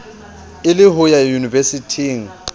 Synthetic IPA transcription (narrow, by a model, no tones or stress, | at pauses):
ɪlɪɦʊjajunivesitʰiŋ̩